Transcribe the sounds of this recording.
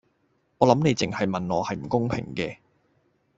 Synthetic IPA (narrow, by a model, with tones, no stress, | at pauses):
ŋɔː˨˧lɐ˨˥mne˨˧jt͡sɪ˨˩ŋhɐ˨jmɐ˨nlɔː˨˧hɐ˨jm̩˨˩kʊ˥ŋpʰɪ̰˨˩ŋkɛː˧